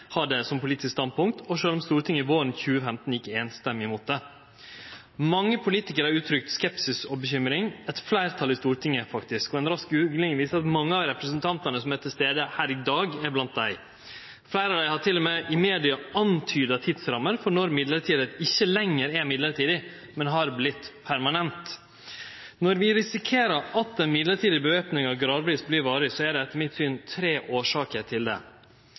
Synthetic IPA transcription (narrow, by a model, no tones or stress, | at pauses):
hɑɖɛsɔmpʰʊliːt̪ɪskst̪ɑnd̪̚pʊŋk̚t̪ʰɔʂøːlɔmst̪uːɾʈ̪ʰɪŋəɪʋoːɾənçʉːəfɛmt̪n̩ɪkːəeːnst̪ɛmːɪmuːt̪̚d̪ɛ | mɑŋːəpʰʊliːt̪ɪkəɾhɑɾʉːt̪ʰɾʏk̚t̪skɛpsɪsɔbəçʏmɾɪŋɛt̪flæɪɾt̪ʰɑlːɪst̪uːɾʈ̪ʰɪŋːəfɑkt̪ɪskɔɛnɾɑskʉːlɛŋɪʋiːsəɑt̪mɑŋːəɑɾɛpɾəsənt̪ʰɑnt̪ɑnəsɔmɛt̪ʰːɪlst̪eːd̪əhæːɾɪd̪ɑːɡɛɾblɑnt̪̚d̪æɪ | flæɪɾɑʋd̪æɪhɑʈʰɪlːɔmɛʔɪmeːd̪ɪɑɑnt̪ʰyːd̪ət̪ʰɪd̪sɾɑmːəɾfɔɳɔɾmɪd̪ləɾʈʰiːd̪əɪçːəlɛŋːəɾɛɾmɪd̪ləɾʈʰiːd̪ɪ | mɛnɦɑɾblɪt̪pʰæɾmɑnɛnt̪ | nɔɾʋɪɾɪsɪkʰeːɾəɾɑt̪ːɛnmɪd̪ləɾʈʰiːd̪ɪbəʋeːpnɪŋɑʋɡɾɑːd̪ʋɾiːsblɪɾʋɑːɾɪsɔæɖɛɛt̪ʰːəmɪt̪syːnt̪ʰɾeːʔoːʂɑːkəɾʈʰɪld̪ɛ̰